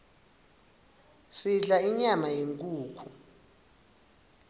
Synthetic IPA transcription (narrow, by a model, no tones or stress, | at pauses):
siɮaiɲamajeŋkʼuːkʰu